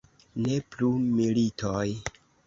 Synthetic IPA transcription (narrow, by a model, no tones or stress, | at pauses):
ne̞plumilitʰoj